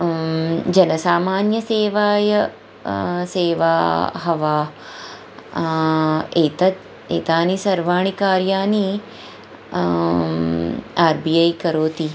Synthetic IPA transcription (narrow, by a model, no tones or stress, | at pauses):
d͡ʒɐnɐsaːmaːnjɐseːʋaːjɐ | seːʋaːɦɐʋaː | eːt̪ɐ | eːt̪aːnisɐɾʋaːɳikaːɾjaːni | aːɾbiɐjkɐɾoːt̪i